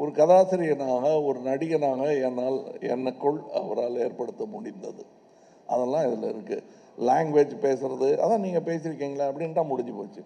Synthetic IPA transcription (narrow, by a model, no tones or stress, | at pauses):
ɔɾɯkɐðaːsɪɾɪjɐnaːɣɐɔɾɯnɐɽɪjɐnaːɣɐɛnːaːlɛ̰nːɐkːɔɭɐ̰ʋɐɾaːleːɾpɐɽɯt̪ːɐmʊɽɪnd̪ɐ̰ðɯ | ʔɐðɛlːãːɪðɪlɐɪ̰ɾɯkːɯ̰ | laːŋɡʋeːd͡ʒpeːsɪɾɐðɯʔɐ̰ðãːniːŋɡɐpeːsɪɾɯkːiːŋɡɐɭɐɐpːɐɽɪnʈãːmʊɽɪɲd͡ʒipoːt͡ʃːɯ